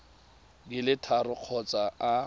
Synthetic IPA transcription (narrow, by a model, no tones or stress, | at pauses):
dɪlɪtʰarʊq͡χʰɔt͡saa